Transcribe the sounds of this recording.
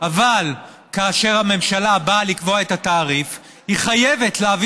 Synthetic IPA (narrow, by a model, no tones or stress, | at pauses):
ʔaval | kaːʃe̞ʁhame̞mʃalabalikvo̞aetataːʁif | hiχajevetleav